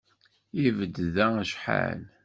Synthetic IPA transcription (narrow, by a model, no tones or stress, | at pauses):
ivəd̪ðæʃħa̰n